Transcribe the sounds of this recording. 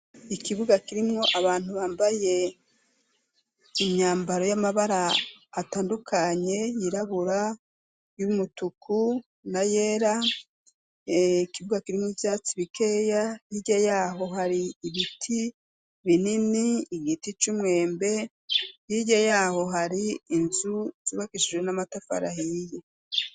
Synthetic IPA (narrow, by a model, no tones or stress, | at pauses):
ikiβuɡakiɾimŋo̞ʔaβaːn̥huβaːmbaje̞ | iɲaːmbaɾo̞jamaβaɾaːtaːndukʰaɲe̞jiɾaβuɾa | jumutuku | najeːɾa | kiβuɡakiɾimuvjaːt͡siβikʰe̞ːjajiɟajaːɦo̞ɦaɾiːβitʰi | βininiːɡitit͡ʃumŋe̞ːmbe̞ | jiɟajaːho̞ɦaɾiːnzuz̥iβakiʃid͡ʒwenamatafa̰ɾahije